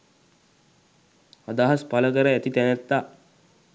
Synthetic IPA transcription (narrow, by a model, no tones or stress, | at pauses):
ad̪aɦaspaləɡəɾəæt̪it̪ɛnɛt̪ːa